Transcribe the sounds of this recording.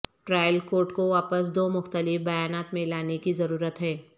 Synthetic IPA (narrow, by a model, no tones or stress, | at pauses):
ʈɾaːjəlkoːɾʈkoʋaːpəs̬d̪oːmʊxt̪əlɪfbɐjaːnaːt̪mẽlaːnekizɐɾuːɾət̪ɦɛː